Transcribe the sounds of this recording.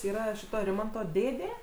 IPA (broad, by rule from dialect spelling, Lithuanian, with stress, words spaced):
ˈiːrɐ ˈʃʲɪtoː ˈrʲɪmɐntoː ˈdʲeːdʲeː